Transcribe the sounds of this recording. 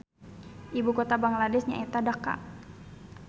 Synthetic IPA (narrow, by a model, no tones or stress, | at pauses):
ʔibukɔt̪abaŋladɛsɲa̰ɛt̪adaka̰